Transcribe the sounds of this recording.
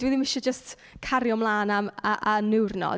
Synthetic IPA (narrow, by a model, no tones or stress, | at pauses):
d̥wɛðimɪʃɛd͡ʒəst | kʰaɾjɔmlˠaːnamaʔanɪwrnɔ̰